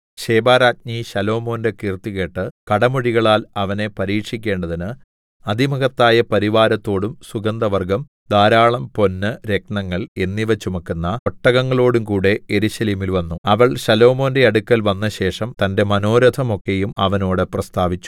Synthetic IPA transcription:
ɕeːbaːɾaːt̪̚ɲiɕɐlo̞ːmo̞ːnde̞kiːrt̪iɣe̞ːʈːɨkɐɽɐmuɽiɣɐɭaːlɐʋɐne̞pɐɾiːkʂikʲːe̞ːɳɖɐðinɨ | ɐd̪ʱimɐɣɐt̪ːaːjɐpɐɾiʋaːɾɐt̪ːo̞ːɽumsuɡɐnd̪ɐʋɐrɡɐm | d̪aːɾaːɭɐmpo̞nːɨɾe̞k̚ɳɐŋːɐɭe̞nːiʋɐt͡ɕːumɐkːunːɐoʈːɐɣɐŋːɐɭo̞ːɽumkuːɽe̞eɾuɕɐliːmilʋɐnːuɐʋɐɭɕɐlo̞ːmo̞ːnde̞ɐɽukːɐlʋɐnːɐɕe̞ːʂɐmt̪ɐnde̞mɐno̞ːɾɐd̪ʰʱɐmo̞kːe̞jumɐʋɐno̞ːɽɨprɐst̪ʰaːʋit͡ɕːu̥

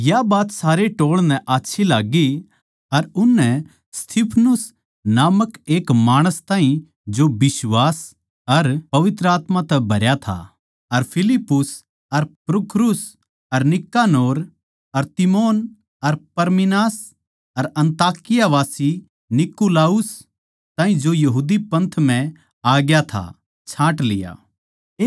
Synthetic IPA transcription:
jabaːt̪saːɾeʈoːɭnɛʔaːtːʃʰilaːɡi | ɐɾʊnːɛ̃ | st̪ʰipʰnʊs | naːməkeːkmaːɽ̃əst̪ãːɦĩ | d͡ʒobɪsʋaːs | ɐɾpɐʋɪt̪ɾəaːt̪mãt̪ɛbʱɐɾjat̪ʰa̰ | ɐɾpʰɪlɪpːʊs | ɐɾpɾʊkɾʊs | ɐɾnɪkːaːnoːɾ | ɐɾt̪ɪmoːn | ɐɾpɐɾmɪnaːs | ɐɾɐ̃nt̪aːkɪjaʋaːsi | nɪkːulaːʊs | t̪ãːɦĩd͡ʒojɐɦuːd̪ipɐ̃nt̪ʰm̤ɛ̃ | aːɡjat̪ʰa̰ | t͡ʃʰãːʈlɪja̰ː

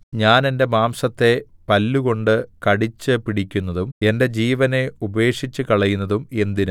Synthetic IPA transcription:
ɲaːne̞nde̞maːmsɐt̪ːe̞pɐlːuko̞ɳɖɨkɐɽit͡ɕːɨpiɽikʲːunːɐðume̞nde̞d͡ʑiːʋɐne̞ube̞ːkʂit͡ɕːɨkɐɭɐjunːɐðume̞nd̪inɨ

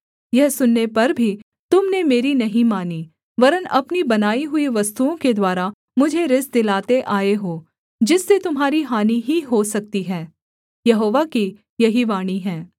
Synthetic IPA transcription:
jɛɦsʊnːepɐɾbʱi | t̪ʊmnemeːɾinɐɦĩmaːni | ʋɐɾənɐpnibɐnaːiɦʊiʋɐst̪uõked̪waːɾa | mʊd͡ʒʱeɾɪsd̪ɪlaːt̪eʔaːeɦoː | d͡ʒɪsːet̪ʊmɦaːɾiɦaːniɦiɦosɐk̚t̪iɦɛː | jɐɦoːʋaki | jɐɦiʋaːɽ̃iɦɛ̃ː

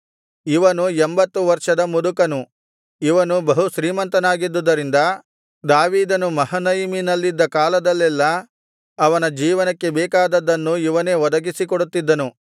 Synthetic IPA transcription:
iʋɐnuembɐt̪ːuʋɐɾʂɐd̪ɐmud̪ukɐnu | iʋɐnubɐɦuʃɾiːmɐnt̪ɐnaːɡid̪ːud̪ɐɾind̪ɐ | d̪aːʋiːd̪ɐnumɐɦɐnɐjiminɐlːid̪ːɐkaːlɐd̪ɐlːɛlːɐː | ʋɐnɐd͡ʒiːʋɐnɐkːe̞bɛːkaːd̪ɐd̪ɐnːuiʋɐne̞ːʋɔd̪ɐɡisikɔɽut̪ːid̪ːɐnu

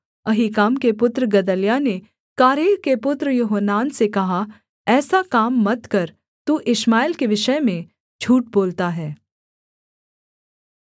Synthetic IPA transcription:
ɐɦikaːmkepʊt̪ɾəɡɐd̪əljane | kaːɾeːɾkepʊt̪ɾjʊɦənːaːnsekɐɦa | ɛːsakaːmːɐt̪kɐɾ | t̪uːʔɪʃmaːɪlkeʋɪʃəmẽ | d͡ʒʱuːʈ̚boːlt̪aɦɛː

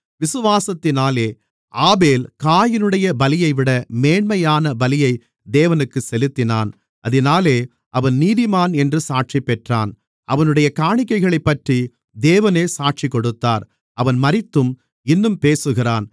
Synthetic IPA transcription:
ʋɪsɯʋaːsɐt̪ːɪnaːleː | ʔaːbeːlkaːjɪnɯɽɐjɐbɐlɪjɐɪʋɪɽɐmeːɳmɐjaːnɐbɐlɪjɐɪ | d̪eːʋɐnɯkːɯsɛlɯt̪ːɪnaːn | ʔɐðɪnaːleː | ʔɐʋɐnniːðɪmaːnɛndrɯsaːʈ̚t͡ʃipːɛʈra̰ːn | ʔɐʋɐnɯɽɐjɐkaːɳɪk̬ːɐɪɣɐɭɐɪpːɐʈri | d̪eːʋɐneːsaːʈ̚t͡ʃikːɔɽɯt̪ːaːɾ | ɐʋɐnmɐrɪt̪ːɯm | ɪnːɯmpeːsɯɣɪraːn

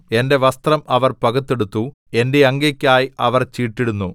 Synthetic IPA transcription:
e̞nde̞ʋɐst̪rɐmɐʋɐrpɐɡɐt̪ːeɽut̪ːu | e̞nde̞ɐŋɡɐkʲːaːjiʔɐʋɐrt͡ɕiːʈːiɽunːu

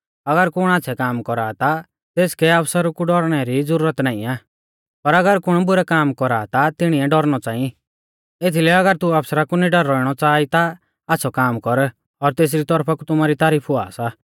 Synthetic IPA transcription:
ɐɡəɾkʊɽ̃aːt͡sʰɛkaːmkɔɾaːt̪a | t̪eːskɛɐpʰsəɾkuɖɔɾɽ̃ɛɾid͡zʊɾuːɾət̪naːḭ̃aː | pɐɾɐɡəɾkʊɽ̃bʊɾɛkaːmkɔɾaːt̪at̪ɪɽ̃iɛɖɔɾñɔt͡sãːĩ | et̪ʰilɛɐɡəɾt̪uɐpsɾakuniɖɐɾːɔɪɽ̃ɔt͡saːit̪aː | sʰɔkaːmkɔɾ | ɔɾt̪eːs̬ɾit̪ɔɾpʰakut̪ʊmaɾit̪aːɾiːpʰɦʊa̰ːsa

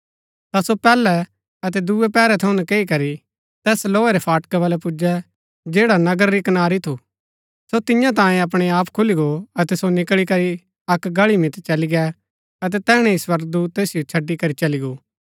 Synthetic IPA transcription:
t̪asopɛːlɛ | ɐt̪ɛd̪uɛpɛːɾɛt̪ʰɐʊ̃nɛkeːikɐɾi | t̪ɛːsloːɛɾɛpʰaːʈkɛʋaːlɛpʊd͡ʒɛ | d͡ʒeːɽanɐɡəɾɾikɐnaːɾit̪ʰu | sot̪ɪjãt̪̬ãːjẽɐp̬ɽ̃eaːpkʰʊliɡoɐt̪ɛsonɪkɭikɐɾi | ɐkɡɐɭimɪt̪t͡ʃɐliɡɛ | ɐt̪̬ɛt̪ɛːɽ̃ẽiswɐɾɡd̪uːt̪t̪ːeːsijot͡ʃʰɐɖːikɐɾit͡ʃɐliɡoː

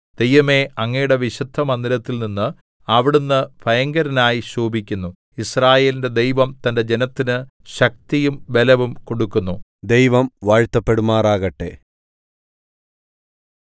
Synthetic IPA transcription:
d̪̥e̞jʋɐme̞ɐŋːɐjuɽe̞ʋiɕud̪ʱːɐmɐnd̪ilɐt̪ːilninːɨ | ɐʋiɽunːɨpʰɐjɐŋɡɐɾɐnaːjiɕuːbikʲːunːu | israːje̞ːlinde̞d̪e̞jʋɐmt̪ɐnde̞d͡ʑe̞nɐt̪ːinɨɕɐk̚t̪ijumʋe̞lɐʋumko̞ɽukːunːu | d̪e̞jʋɐmʋaːɻt̪ːɐpːe̞ɽumaːraːɣɐʈːe̞̰

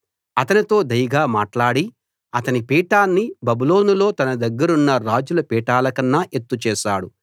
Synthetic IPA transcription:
ɐt̪ɐnit̪o̞ːd̪ɐjɐɡaːmaːʈlaːɽi | ɐt̪ɐnipiːʈaːnːibɐbulo̞ːnulo̞ːt̪ɐnɐd̪ɐɡːɐɾunːɐɾaːd͡ʒulɐpiːʈaːlɐkɐnːaːʔe̞t̪ːut͡ʃɛːʃaːɽu

